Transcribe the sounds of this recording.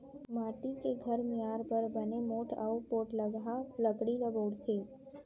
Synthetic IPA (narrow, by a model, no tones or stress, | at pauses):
maʈikeɡʱəɾmiaɾbəɾbənemoʈʰa̰upoʈləɡaləɡɽiɾəboɽt̪ʰe